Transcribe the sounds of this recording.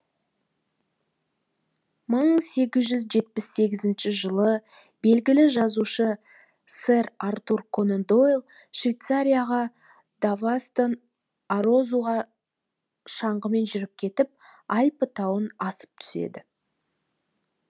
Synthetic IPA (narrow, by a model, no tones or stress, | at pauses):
məɴse̞ɡʲɪzʒʏzʒe̞t̪̚pɪsːe̞ɡʲɪzɪnʃɪʒəlˠə | be̞lɡʲɪlɪʒɑzuʃə | seɾart̪urkʰo̞nend̪o̞jlˠ | ʃvʲejt̪saɾʲijaʁɑ | d̪̥avast̪ən | aɾo̞zuʁɑ | ʃɑɴʁəme̞nʒʏɾɪp̚kʲʰe̞t̪ɪp̚ɑjpət̪ʰɑwənɑsə̥p̚t̪ʰʏ̥se̞̰d̪ɪ